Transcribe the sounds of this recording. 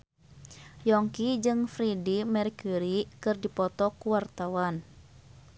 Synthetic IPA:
jɔŋkid͡ʒɨŋfɾidimɛrkuɾikɨrdipɔt̪ɔkuwart̪awan

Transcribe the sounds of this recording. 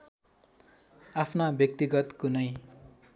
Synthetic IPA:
apʰnabjʌk̚t̪iɡʌt̪kunʌj

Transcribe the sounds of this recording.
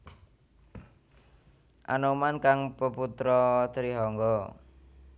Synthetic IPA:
ʔa̰nomankaŋpəput̪ɾɔt̪əɾiɦɔŋɡɔ

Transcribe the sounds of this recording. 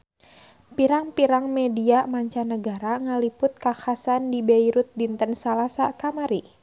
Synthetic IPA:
piɾaŋpiɾaŋmɛdiamaɲt͡ʃanəɡaɾaŋəlipʊt̪̚kaxasandibeiɾut̪̚dint̪ənsalasakamaɾi

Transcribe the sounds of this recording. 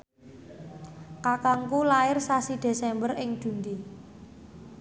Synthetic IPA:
kakaŋkulaɪrsasid̪̥e̤sɛmbərɪŋd̪̥ṳnd̪i

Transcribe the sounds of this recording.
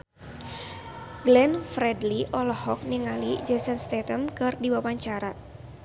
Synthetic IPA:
ɡlɛnfɾɛdliʔɔlɔhɔk̚niŋalid͡ʒɛsɛnst̪ɛt̪əmkɨrdiwawaɲt͡ʃaɾa

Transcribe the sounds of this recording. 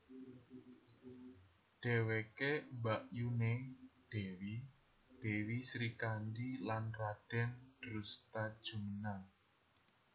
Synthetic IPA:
ɖ̥ewekembaʔjuned̥ewi | d̥e̤wisɾikandilanrad̥ɛ̤nd̥ɾust̪ad̥ʒ̥ṳmənan

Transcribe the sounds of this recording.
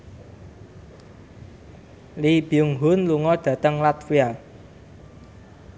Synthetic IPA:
lib̥iʊŋɦʊnluŋɔɖ̥ä̤t̪əŋlat̪fia

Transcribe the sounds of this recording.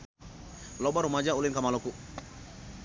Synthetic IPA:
lɔbaɾumad͡ʒaulinkamalɔku

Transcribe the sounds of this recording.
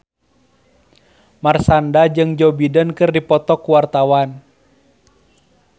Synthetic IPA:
marsandad͡ʒɨŋd͡ʒɔbidənkɨrdipɔt̪ɔkuwart̪awan

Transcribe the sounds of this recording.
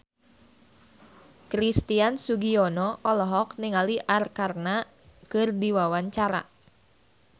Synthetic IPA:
kɾist̪iansuɡiɔnɔʔɔlɔɦɔkniŋaliʔarkarna | kɨrdiwawaɲt͡ʃaɾa̰

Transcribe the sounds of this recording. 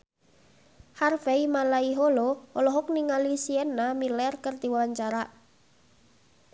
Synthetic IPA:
harfeimalaiɦoloɔlɔɦʊk̚niŋalisiɛnamilɛrkərt̪iwawaɲt͡ʃaɾaʔ

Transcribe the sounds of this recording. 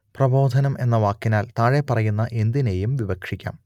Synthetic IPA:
prɐbo̞ːd̪ʱɐnɐmʔe̞̰nːɐʋaːkːinaːlt̪aːɻe̞pɐrɐjunːɐʔe̞nd̪ine̞jumʋibɐkʂikʲːa̰ːm

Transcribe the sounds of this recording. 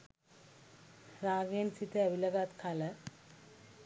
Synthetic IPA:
ɾaːɡensit̪eɐʋilɐɡat̪kʰalə

